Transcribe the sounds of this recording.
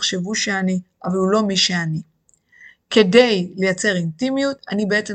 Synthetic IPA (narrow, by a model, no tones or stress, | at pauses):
χʃe̞vuʃeaniʔavalulo̞miʃeani | ke̞de̞jle̞jat͡se̞ʁintimijutanibeet͡se